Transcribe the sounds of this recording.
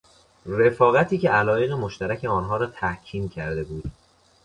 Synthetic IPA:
re̞fɒːɣæt̪ʰiːcʰeælɒːje̞ɣemoʃt̪æɾæcʰe̞ɒːnɦɒːɾɒːt̪ʰæhcʰiːmcʰæɾd̪e̞buːd̪̥

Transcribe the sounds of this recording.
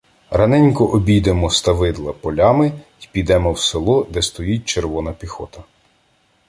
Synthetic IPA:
ɾɐnɛnʲkɔʔɔbʲijd̪emɔst̪ɐʋɪd̪lˠɐpɔlʲɑmɪ | ipʲid̪ɛmɔwselˠɔd̪ɛst̪ɔjit̚ʲt͡ʃeɾʋɔnɐpʲixɔt̪ɐ

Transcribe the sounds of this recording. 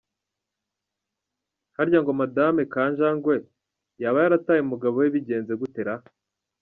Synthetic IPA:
haɾɟaŋɡo̞madamekaːɲʒaŋɡwe̞ | jaːβajaɾataːjemuɡaβoweβiɟe̞ːnze̞ɡute̞ɾa

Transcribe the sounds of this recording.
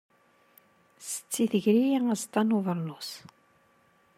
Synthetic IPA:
sə̥t͡sːiθəʝɾijææzt̪ˤːɑnuvəɾˤnus

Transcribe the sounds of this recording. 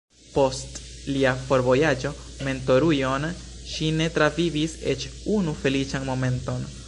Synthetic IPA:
po̞stliafo̞ɾvo̞jad͡ʒo̞ | me̞nto̞ɾujo̞n | ʃine̞tɾavivisḛt͡ʃunufe̞lit͡ʃanmo̞me̞nto̞n

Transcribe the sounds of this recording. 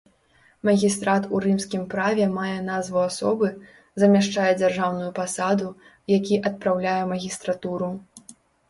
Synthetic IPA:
mɐɣʲist̪ɾat̪uɾɨmsʲkʲimpɾavʲɛmajɛnazvuasɔbɨ | zɐmʲaʂt͡ʂajɛd͡zʲarʐawnujupasad̪u | jakʲiʔɐt̪̚pɾawlʲajɛmɐɣʲist̪ɾat̪uɾu

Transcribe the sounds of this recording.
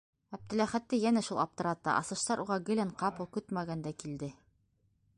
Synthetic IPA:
æp̚t̪ɘ̆læχæt̪ːɘjænæʃulˠɑp̚t̪ɤ̆ɾɑt̪ːɑ̰ʔɑ̰sɤ̆ʃt̪ɑɾʔuʁɑɡɘ̆lɘɴqɑpɤlˠkɵt̪mæɡænd̪ækild̪ɘ

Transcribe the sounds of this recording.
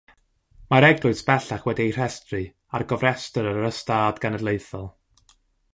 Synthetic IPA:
maɾɛɡlˠʊɨsb̥ɛɬaχwɛdiejr̥ɛstrɨ | arɡɔvrɛstəɾəɾəɾəstaːdɡanədlˠeɨθɔlˠ

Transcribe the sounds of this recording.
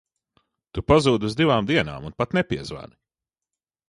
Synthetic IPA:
t̪upazuːd̪uzd̪ivaːmd̪iɛna̰ːmunpat̪nɛpiɛzva̰ni

